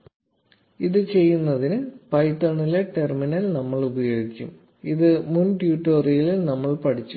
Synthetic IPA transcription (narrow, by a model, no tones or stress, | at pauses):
iðɨt͡ɕe̞jːunːɐðinɨpɐjtːɐɳileʈe̞rminɐlnɐmːɐɭubɐjo̞ːɡikʲːum | iðɨmunʈjuːʈːoːrijililnɐmːɐɭpɐʈʰit͡ɕːu̥